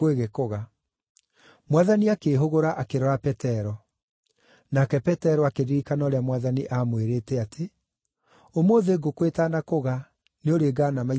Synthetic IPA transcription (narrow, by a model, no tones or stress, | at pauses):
eɣɛkoɣa | mwaðaniakeːɦoɣoɾaʔakeɾɔɾapɛtɛɾɔ | nakɛpɛtɛɾɔakeɾiɾikanɔːɾeamwaðaniʔamweɾeːtɛatʰe | omoːðeɡokwetaːnakoɣa | neoɾeːɡaːnama